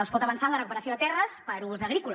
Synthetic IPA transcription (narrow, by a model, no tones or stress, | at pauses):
əlˠspɔt̪əβənsalərəkupəɾəsioðət̪ɛrəspəɾuzəɣɾikul